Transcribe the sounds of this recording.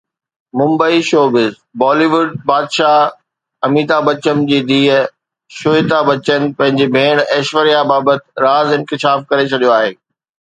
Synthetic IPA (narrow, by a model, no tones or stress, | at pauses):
mʊ̃mbəiʃoːbɪz | bɔːliːʋʊɖ̚baːd̪ʃa | ɐmiːd̪abɐt͡ɕəmd͡ʑiːd̪iːə | ʃʊt̪abɐt͡ɕənɪ̆pɐ̃ɦɪ̃ɲd͡ʑebʱeːɽ̃ɛːʃʋəɾijabaːbət̪ɾaːzɪ̃nkɪʃaːfkɐɾet͡ɕʰɐɗijoaːɦeː